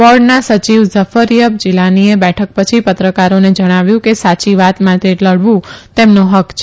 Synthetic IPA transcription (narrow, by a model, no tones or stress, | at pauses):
ʋɔɖnasət͡ʃiʋzəfəɾjəb̚d͡ʒilaniebɛʈʰək̚pət͡ʃʰipət̪ɾəkaɾoned͡ʒəɽ̃aʋjũkesat͡ʃiʋat̪mãt̪ʰeləɽʋũt̪emnuɦəkʰt͡ʃʰe